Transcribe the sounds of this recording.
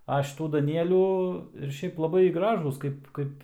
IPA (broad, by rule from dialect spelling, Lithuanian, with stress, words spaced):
ɐ ʃʲɪˈtuː dɐˈnʲiɛlʲuː ɪr ˈʃʲɛɪp lˠɐˈbɐɪ ˈɡrɑːʒuːs ˈkɐɪp ˈkɐɪp